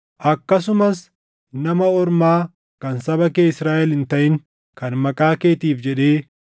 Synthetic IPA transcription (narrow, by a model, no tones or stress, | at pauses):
ʔɐkːɐsʊmɐs | nɐmɐɔɾmaː | kɐnsɐbɐkeːɪsɾaːʔɛlɪnt̪ɐʔɪŋ | kɐnmɐkʼaːke̞ːt̪iːfd͡ʒɛᶑe̞ː